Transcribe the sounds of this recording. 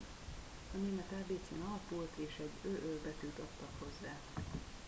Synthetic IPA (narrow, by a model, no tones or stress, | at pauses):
ɒneːmɛt̪aːbeːt̪sḭːnɒlɒpult̪ʰeːʃɛɟøːʔølbɛt̪yːt̪ɒt̪ːɒkho̞zːaː